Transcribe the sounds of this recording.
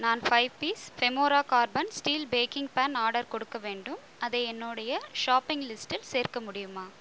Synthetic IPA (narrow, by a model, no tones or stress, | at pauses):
naːnfɐɪʋpiːsfɛmoːɾaːkaːɾbɐnsʈiːlbeːkɪŋɡpaːnaːɾɽɐɾkɔɽɯkːɐʋeːɳɖɯm | ɐðɐɪɛnːoːɽɐjɐʂaːpːɪŋɡlɪsʈɪlseːɾkɐmʊɽɪjɯmaː